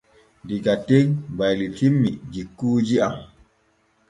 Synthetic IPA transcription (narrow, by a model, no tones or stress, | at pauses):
ndiɡatːɛŋbajlitʰimːid͡ʒikːuːd͡ʒiam